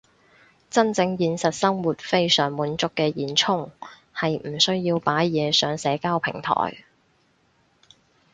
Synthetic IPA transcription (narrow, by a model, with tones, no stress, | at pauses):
t͡sɐ˥nt͡sɪ˧ŋjiː˧nsɐ˨t̚sɐ˥ŋwuː˨t̚fe˥jsœː˨˩ŋmuː˨˥nt͡sʊ˨˧kːɛː˧jiː˨˧nt͡sʰʊ˥ŋ | hɐ˨jm̩˨˩sɵ˥ɥjiː˧wpaː˨˥jjɛː˨˧sœː˨ŋsɛː˨˥kaː˥wpʰɪ̰˨˩ŋt̪ʰɔ̰ː˨˩j